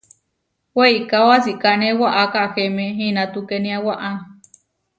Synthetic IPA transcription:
weikawasikanẽwaʔakaʔahemeɦinat̪ukenĩawaʔa

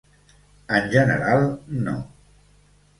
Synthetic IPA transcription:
ənʲʒənə̰ɾalˠno̰

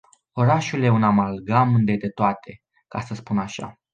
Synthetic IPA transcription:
o̞ɾaʃulje̞unamalɡamɨnd̪e̞t̪et̪oat̪ʰe̞ | kasəspunaʃa̰

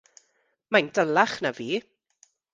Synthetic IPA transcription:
majndəlaχnaviː

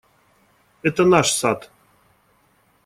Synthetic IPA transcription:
et̪ənɑʃsɑt̪

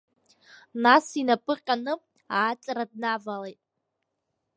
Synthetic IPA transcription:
nasinapʼɨqʲʼanɨ | aːt͡sʼaɾad̚navalejtʼ

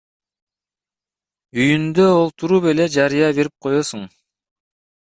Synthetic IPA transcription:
yjynd̪øolˠt̪uɾupe̞le̞d͡ʒɑɾɯjɑβe̞ɾip̚qʰo̞josuŋ

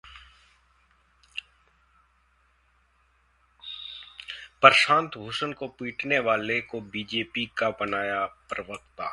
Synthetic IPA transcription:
pəɾʃãːnt̪bʱuːsənkopiːʈʰneʋaːlekobiːd͡ʒeːpikabənaːjapɾəʋək̚t̪aː

